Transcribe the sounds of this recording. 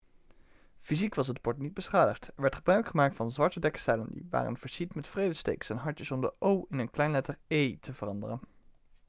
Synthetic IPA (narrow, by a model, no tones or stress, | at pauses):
fizikʋɑsɦət̚pɔɹtnid̚bəsχaːdəχtɛɹʋɛɹtχəbœɥkχəmaːk̚tfɑnzʋɑɹtədɛksɛjləndḭʋa̰ːrə̰nv̥əɹsitmɛtfrejdəstḛjksɛnɦɑɹtəsɔmdəʔowɪnənklɛjnlɛtəɹejtʰəvərɑndərən